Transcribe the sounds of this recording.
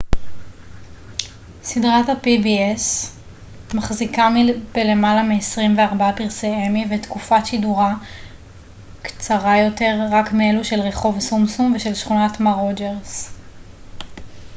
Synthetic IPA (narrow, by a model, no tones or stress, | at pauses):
sidʁathapibies | maχzikamilb̥ele̞malamiesʁimveaʁbaapiʁseemivetkufatʃiduʁa | kt͡saʁajo̞te̞ʁːakmeeluʃe̞lʁe̞χo̞vsumsumveʃe̞lʃχunatmaʁod͡ʒeʁs